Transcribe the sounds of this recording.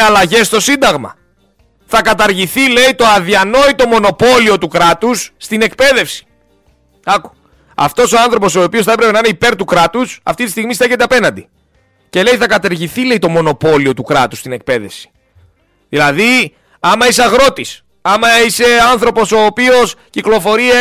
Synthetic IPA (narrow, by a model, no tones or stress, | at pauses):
ɐlɐʝe̞st̪o̞sind̪ɐɣmɐ̰ | θɐkɐt̪ɐɾʝiθile̞it̪o̞ɐðiɐno̞it̪o̞mo̞no̞po̞lio̞t̪ukɾɐt̪usːt̪ine̞kpe̞ðe̞fsi̥ | ɐku̥ | ɐ̰ft̪o̞so̞ɐnθɾo̞po̞so̞ːpio̞sθɐe̞pɾepe̞nɐineipe̞ɾt̪ukɾɐt̪usɐ̰ft̪it̪ist̪iɣmist̪eçe̞t̪̬e̞ɐpe̞nɐnd̪i | ce̞le̞iθɐkɐt̪ɐɾʝiθile̞it̪o̞mo̞no̞po̞lio̞t̪ukɾɐt̪ust̪ine̞k̚pe̞ðe̞fsi̥ | ðilɐði | ɐmɐiseɐɣɾo̞t̪is | ɐmɐise̞ɐnθɾo̞po̞so̞ːpio̞sciklo̞fo̞ɾiɐ